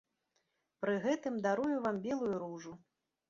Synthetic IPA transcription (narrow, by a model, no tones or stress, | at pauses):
pɾɨɣɛt̪ɨmd̪aɾujuvambʲɛlˠujuɾuʐu